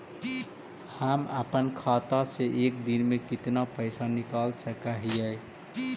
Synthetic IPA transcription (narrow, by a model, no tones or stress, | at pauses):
həməpənkʰat̪aseʔekd̪inmekit̪napəɪsanikalsəkaɦijəj